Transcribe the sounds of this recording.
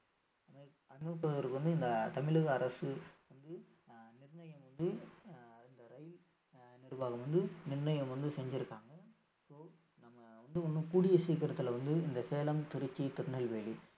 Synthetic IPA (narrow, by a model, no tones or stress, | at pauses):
ɐmɐ | ɐnmɐk̬ːɐðɐɾɯkːɯʋɐnd̪ɯɪnd̪ɐt̪ɐmɪɭɯɣɐːɾɐsɯʋɐnd̪ɯ | nɪrnɐjɐmʋɐnd̪ɯ | ɪnd̪ɐɾɐjɪl | nɪɾɯʋaːɣɐmʋɐnd̪ɯnɪrnɐjɐmʋɐnd̪ɯsɛɲd͡ʒɪɾɯkːaːŋɡɐ | soː | nɐmːɐʋɐnd̪ɯɔnːɯkuːɽɪjɐsiːkːɐɾɐt̪ːɪlʋɐnd̪ɯɪnd̪ɐseːlɐmt̪ɪɾɪt͡ʃːit̪ɪɾnɐlʋeːɭi